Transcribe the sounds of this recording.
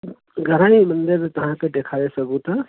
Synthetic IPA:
ɡʱɐɾãːimənd̪ɪɾt̪ɐɦãkeɖ̪eːkʰaɾesəɡũt̪a

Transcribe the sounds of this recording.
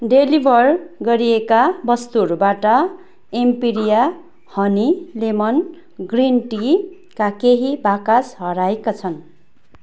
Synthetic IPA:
ɖelibʱʌrɡʌɾiekabʌst̪urbaʈʌ | empiɾija | hʌnilemʌn | ɡrinʈi | kakeɦibakasɦʌɾaekat͡sʰʌn

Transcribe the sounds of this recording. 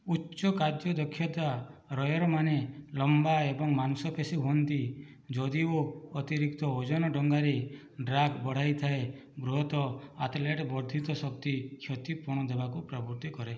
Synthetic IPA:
utːt͡ʃɔkaɾd͡ʒjɔd̪ɔkʰːjɔd̪waɾɔjɔɾɔmanelɔmbaebɔŋmanusɔpʰesiɦuɦɔnt̪i | d͡ʒɔd̪ioːt̪iɾikt̪ɔod͡ʒɔnɔɖɔŋɡaɾe | ɖɾaɡbɔɽ̤ajt̪ʰae | ɡɾuɦɔt̪ɔat̪leʈbɔɾd̪ʱit̪ɔsɔk̚t̪ikʰjɔt̪ipuɾɽ̃ɔd̪ebakupɾɔbuɾt̪ikɔɾe

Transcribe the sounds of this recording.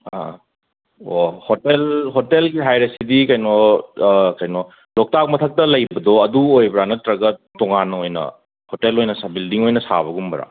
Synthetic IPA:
a̰ | ohotelɦotelɡiɦajɾɐsidikɐjnɔ | kɐjnɔ | lɔk̚tak̚mɐtʰɐk̚tɐlɐjbɐdɔɐduojbɾanɐtɾɐɡɐtɔŋanojnɐ̰ | hotelojnɐsabildiŋojnɐsa̰βɐɡumbɐɾa̰

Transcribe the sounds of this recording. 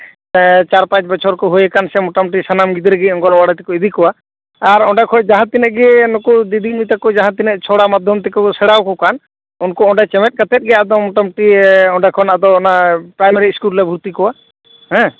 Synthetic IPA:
t͡ʃaɾpãt͡ʃbɔt͡ʃʰɔɾkɔɦojɛkansɛmɔʈamuʈisanamɡid̪ɾɛɡɛɔŋkɔnɔwaɽat̪ɛkuid̪ʱikɔwaː | ɾɔ̃ɖakʰɔd͡ʒaɦãt̪inɛʔɡɛɛnɔkɔd̪id̪ʱik̚nut̪akɔd͡ʒaɦãt̪inɛʔt͡ʃʰɔɽamad̪ʱjɔmt̪ɛkusɛɽawkɔkan | ɔnkɔɔɖat͡ʃɛmɛt̚ˀkat̪ɛt̪̚ˀɡɛad̪ɔmɔʈamuʈiɔ̃ɖakʰɔnad̪ɔɔnapɾajmaɾiskullɛbʱuɾt̪ikɔwa | ɦɛ̃

